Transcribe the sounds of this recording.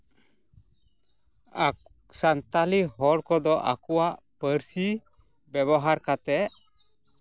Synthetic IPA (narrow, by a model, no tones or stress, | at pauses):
a | sant̪aliɦɔɽkɔd̪ɔʔa̰kuwaʔ | pəɾsi | bɛβɔɦaɾkat̪ɛʔ